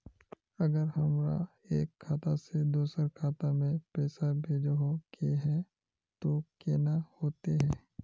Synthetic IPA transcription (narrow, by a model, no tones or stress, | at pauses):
ɐɡəɾɦɐmɾa̰ | eːkʰːaːt̪ased̪uːsəɾkʰaːt̪amẽpɛːsabʱeːd͡ʒɦokeɦɛ̃ | t̪okeːnahoːt̪eɦɛ̃ː